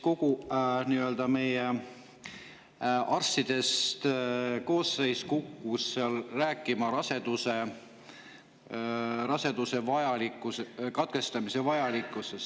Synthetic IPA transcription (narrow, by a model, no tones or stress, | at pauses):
ko̞ɡ̥uniø̞ld̪̥ɑme̞je | ʔɑrst̪id̪̥e̞st̪ko̞ːsːe̞jskukˑːusːeɑlræːkːˑimɑɾɑse̞d̪̥use | rɑse̞d̪̥use̞vɑjɑlikːˑusekɑt̪̚ke̞st̪ɑmise̞vɑjɑlikˑːuses